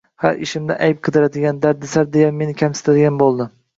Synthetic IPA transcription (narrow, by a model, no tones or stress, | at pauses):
ha̰ɾɪʃɪmd̪ɪ̰ʔajɪp̚qʰɨd̪ɪɾad̪ɪɡʲand̪aɾd̪ɪsaɾd̪ejamːe̞nɪkʲʰamsɪ̥t̪ʰad̪ɪɡʲanbolˠd̪ɪ